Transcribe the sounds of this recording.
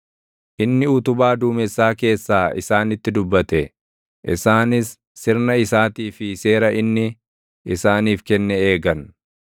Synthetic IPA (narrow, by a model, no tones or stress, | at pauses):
ʔɪnːɪʊt̪ʊbaːd̪uːmɛsːaːke̞ːsːaːɪ̰saːnɪt̪ːɪd̪ʊbːɐt̪ɛ | ʔɪsaːnɪsː | ɪɾnɐɪsaːt̪iːfɪse̞ːɾɐʔɪnːɪ | ɪsaːniːfkɛnːɛe̞ːɡɐn